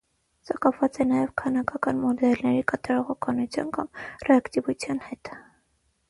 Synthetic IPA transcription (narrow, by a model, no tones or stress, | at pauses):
sɑkɑpʰvɑt͡sɛnɑjɛvkʰɑnɑkɑkɑnmɔd̪ɛlnɛɾikɑt̪ɑɾɔʁɔkʰɑnut͡sʰjɑ̰nkɑmrɛɑkt̪ivut͡sʰjɑnhɛt̪